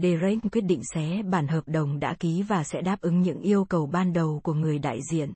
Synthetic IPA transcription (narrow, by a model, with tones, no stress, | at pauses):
ɗe˧˩zə˧jŋ͡mkwi˦˥ət̚ɗḭ˧˨ŋ̟sɛ˨˦ɓaː˧˩nɦəː˨˩p̚ɗə˨˩wŋ͡mɗa̰ː˧˥ki˨˦vaː˨˩sɛ̰˧˥ɗaː˦˥p̚ʔɨ˨˦ŋɲɨ̰˧˥ŋʔi˧əwkə˨˩wɓaː˧nɗə˨˩wku˧˩əŋɨ˨˩əjɗa̰ː˧˨jzḭ˧˨ən